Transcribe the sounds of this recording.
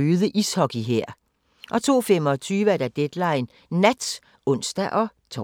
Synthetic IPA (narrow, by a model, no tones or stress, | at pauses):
yːðˠəʔishɒ̽ɡ̥iɦeɐ̰ | ʔɒ̽t͡sʰo̝̰ːfem̰ɒ̽t͡sʰyːʋəæɐd̥æd̥ed̥lɑ̈ɪ̰nː | æd̥s | ɔ̽n̰sd̥æʔɒ̽t͡sʰɒ